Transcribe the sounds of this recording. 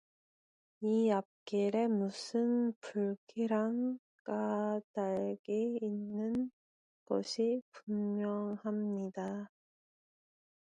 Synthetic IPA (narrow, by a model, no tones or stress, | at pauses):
iap̚k͈iɾe̞musʰɯnpuɭkʰiɾaŋ | k͈adaɭɡiːnːɯn | ɡ̥ʌ̰ɕʰipummːjʌŋhamɲida